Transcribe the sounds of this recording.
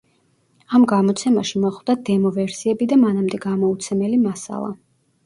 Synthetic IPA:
amɡamɔt̪sʰɛmaʃimɔχvd̪ad̪ɛmɔvɛɾsiɛbid̪amanamd̪ɛɡamɔut̪sʰɛmɛlimasa̰lˠa̰

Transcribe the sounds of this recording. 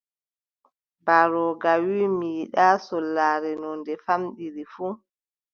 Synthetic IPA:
baɾɔɡawiːmiːɗaːsɔlːaːɾɛnɔndɛfamɗiɾifu

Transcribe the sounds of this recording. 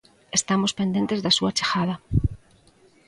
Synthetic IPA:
est̪amospend̪e̞nt̪ezðasuat͡ʃe̥xaða

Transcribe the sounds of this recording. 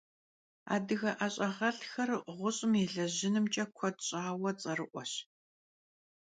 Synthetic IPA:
a̰ːdɨɣɐʔɐɕʼɐʁɐɬxɐrʁʷʊɕʼɪmeɮɐʑɪnɨmt͡ʃʼɐkʷʰɔdɕʼaːwɐt͡sʼɐrɨʔʷɔɕ

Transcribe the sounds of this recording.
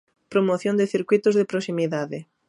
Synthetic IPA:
pɾomoθjõnd̪ɪθiɾkwit̪ʊzðɪpɾosimiðaðɪ

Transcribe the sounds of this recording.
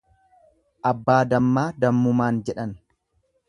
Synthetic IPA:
ʔɐbːaːd̪ɐmːaːd̪ɐmːʊmaːnd͡ʒɛᶑɐn

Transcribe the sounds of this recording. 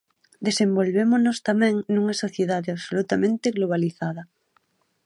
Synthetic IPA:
d̪esembolβemonost̪amɛ̃ŋnũŋɐsoθjeðaðeaβsolut̪amẽnt̪eɣloβ̞aliθaðɐ

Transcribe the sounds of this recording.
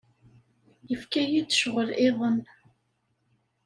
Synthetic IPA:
jəfkæjid̪ʃʁəlɪðˤən

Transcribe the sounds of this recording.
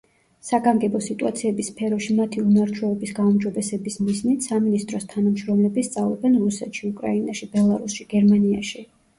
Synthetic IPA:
saɡaŋɡɛbɔsit̪ʼua̰t̪sʰiɛbispʰɛɾɔʃimat̪ʰiunaɾt͡ʃʰwɛɔbisɡaumd͡ʒɔbɛsɛbismiznit̪ʰsaminist̪ʼɾɔst̪ʰanamʃɾɔmlɛbist̪sʼavlˠɛ̰bɛnɾusɛt̪ʃiukʼɾainaʃibɛlˠaɾusʃiɡ̥ɛɾmania̰ʃi

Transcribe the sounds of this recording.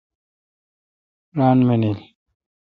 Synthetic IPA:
ɾanmenel

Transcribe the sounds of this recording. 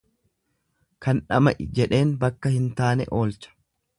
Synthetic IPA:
kɐnᶑɐmɐʔɪd͡ʒɛᶑe̞ːnbɐkːɐhɪnt̪aːnɛ̰ʔo̞ːlt͡ʃɐ̥

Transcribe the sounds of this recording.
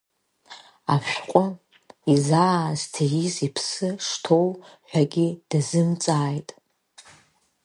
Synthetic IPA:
afʃᶣqʷʼʊ | izaːztʰajizipʰsɨʂtʰo̞wħʷᶣaɡʲid̥azɨmt͡sʼaːjtʼ

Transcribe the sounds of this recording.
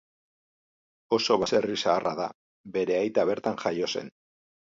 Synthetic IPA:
o̞so̞βase̞risaːrʔaða̰ | be̞ɾe̞ajt̪aβ̞e̞ɾt̪aŋʝajo̞se̞̰n

